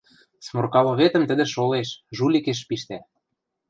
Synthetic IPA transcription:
smorkɑlŏβet̪ə̆mt̪ə̆d̪ĕʃoleʃʒulʲikeʃ̬piʃt̪æ

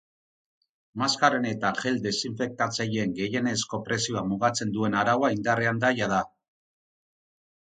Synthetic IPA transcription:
maskaɾene̞t̪aʝe̞ld̪e̞siɱfe̞k̚t̪at͡saʎeeŋɡe̞je̞ne̞sko̞pɾe̞sio̞amuɣat͡se̞nd̪ue̞naɾawaind̪areand̪ajaða

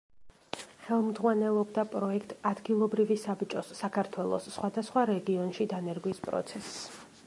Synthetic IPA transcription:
χɛlˠmd̪ʁwanɛlˠɔbd̪apʼɾɔɛkʰt̪ʼad̪ɡilˠɔbɾivisabt͡ʃʼɔsːakʰaɾt̪ʰwɛlˠɔ̰sːχwad̪asχwaɾɛɡiɔnʃid̪anɛɾɡwispʼɾɔ̰t̪sʰɛsː

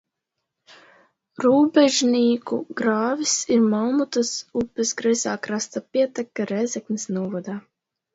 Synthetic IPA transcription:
ɾuːbɛʒniːkṵɡɾaːvisiɾmawmut̪asupːɛsɡɾɛzaːkɾast̪apiɛt̪ɛkːaɾɛzʲɛknisnuɔvɔd̪aː

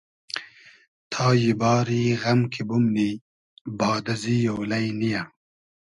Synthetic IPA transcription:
t̪ʰaːjibɑːɾiːɣɐmkʰibumni | bɑːd̪ɐzijowlɐjnija

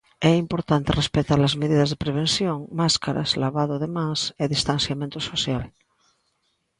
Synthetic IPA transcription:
ɛimpoɾt̪ant̪erespet̪aɾlazmeð̞iðazðepɾeβ̞ẽnsjõŋmaskaɾa̰z̥laβaðoðemãseðist̪ãnθjamẽnt̪osoθjal

